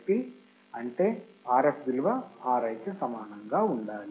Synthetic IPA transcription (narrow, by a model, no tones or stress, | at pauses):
pi | ɐɳʈe̞ːaːɾepd̪ilʋɐaːɾɐjt̪esɐmaːnɐŋɡaːuɳɖaːli